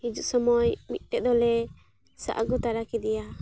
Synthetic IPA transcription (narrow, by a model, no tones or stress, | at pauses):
id͡ʒuʔsɔmɔjmit̪̚ˀʈɛd̪ɔlɛ | sa̰ʔa̰ɡut̪aɾakid̪ɛja